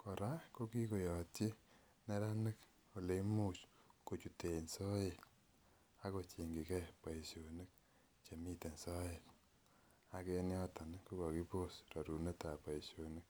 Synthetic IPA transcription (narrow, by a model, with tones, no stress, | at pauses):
kɔ˨ɾa˦ko˦ki˦ko˨jɔ˨tje˦ | nɛ˦ɾa˦nɪ˦k | o˨le˦mu˦t͡ʃko˨t͡ʃu˨te˨nsɔ˦e˨t | a˦ko˨t͡ʃe˨ŋɡi˨kɛ˦pa˨i˨sjo˨ni˦k̚ | t͡ʃe˨mi˦te˨nsɔ˦je˨l | a˨ke˦njɔ˦ta˨nku˦kɔ˨ki˦po˦sɾa˨ɾu˨ne˦ta˨pa˨i˨sjo˨ni˦k̚